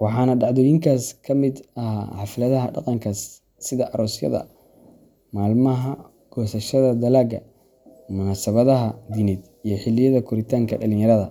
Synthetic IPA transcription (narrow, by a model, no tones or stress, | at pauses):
wɑħɑːnɐɖɑʕðɔːjɪŋkʰaːskʰɐmɪd̪ɐhaħɑfɪlɐðɐɦɐɖɑ̰qɑŋkʰɐsː | ɪðɐʔɐɾɔːsjɐ̰ðɐ̰ | maːlmɐɦɐ | ɡ̥ɔːsɐʃɐðɐd̪ɐlaːɡɐ̰ | mʊnaːsɐβɐðɐɦɐd̪inɪd̪ | ijɞħɪlːɪjɐðɐkʰʊɾɪt̪ʰaːŋkʰɐ̰ɖɐlɪnjɐɾɐðɐ